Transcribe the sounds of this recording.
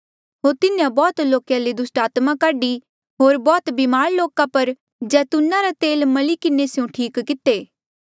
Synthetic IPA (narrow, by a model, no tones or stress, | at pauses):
ɦoːɾt̪ɪnjãbɔːt̪loːkjãled̪ʊsʈaːt̪mãkaːɖi | ɦoːɾbɔːt̪bimaːɾloːkapɐɾ | d͡ʒɛːt̪ʊnːaɾat̪eːlmɐlikɪnesɪjõʈʰiːkːɪt̪eː